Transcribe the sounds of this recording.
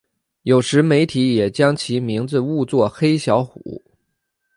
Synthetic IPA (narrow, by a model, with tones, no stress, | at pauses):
jo˨˩ʊʂɻ̩˧˥me˧˥ɪt̪ʰi˧˥jɛ˨˩t͡ɕjɑ˥ŋt͡ɕʰi˧˥mi˧˥ŋd͡zɹ̩˥˧u˥˧t͡swɔ˥˩xe˥ɪɕjɑ˧˥ʊxṵ˨˩˦